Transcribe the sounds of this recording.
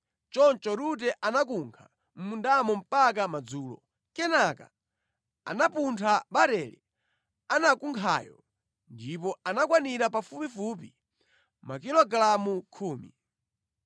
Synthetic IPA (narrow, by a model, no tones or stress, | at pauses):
t͡ʃɔnt͡ʃɔɾut̬ɛʔanak̬uŋkʰa | m̩mundamɔm̩pakamad͡zuːlɔ̰ | kɛnaka̰ | a̰napuntʰaɓaɾɛlḭ | anakuŋkʰa̰ːjɔ̰ | ndipɔanakwaniɾapafupifupi | mak̬ilɔɡlamukʰuːmḭ